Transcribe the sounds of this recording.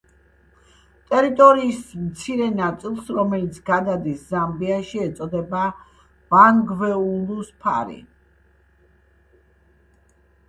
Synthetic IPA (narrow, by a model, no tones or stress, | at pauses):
t̪ʼɛɾit̪ʼɔɾiːsmt̪sʰiɾɛnat̪sʼilˠsɾɔmɛlit̪sʰɡad̪ad̪iszambiaʃiɛt̪sʼɔd̪ɛba | b̥aŋɡvɛuluspʰa̰ɾḭ